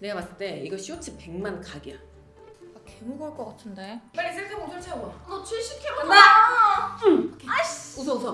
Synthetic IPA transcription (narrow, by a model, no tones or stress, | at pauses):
neɡamas͈ɯɭt͈e̞iɡʌɕʰiot͡ɕʰipeŋmankaɡia | akemuɡɯɭk͈ʌk͈atʰɯndebaɾis̬ʰes͈ʰemod͡ʑʰoɭt͡ɕʰaɡoaot͡ɕʰeɕʰikʰemoa | ausʰʌusʰʌ